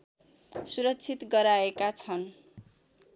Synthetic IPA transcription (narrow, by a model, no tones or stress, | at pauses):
suɾʌkːt͡sʰit̪ɡʌɾaekat͡sʰʌn